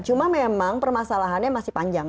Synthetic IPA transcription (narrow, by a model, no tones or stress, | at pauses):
t͡ʃumamemaŋpərmasalaɦanɲamasɪhpaɲd͡ʒaŋ